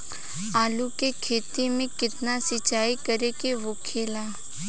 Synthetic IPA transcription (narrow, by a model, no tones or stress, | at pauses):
aːlukekʰeːt̪imẽkɪt̪nasɪt͡ʃaːikəɾekeʋokʰeːlaː